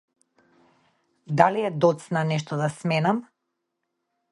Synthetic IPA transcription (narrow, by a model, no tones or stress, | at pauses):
d̪aliɛd̪ɔt̪snanɛʃ̬t̪ɔd̪asmɛnam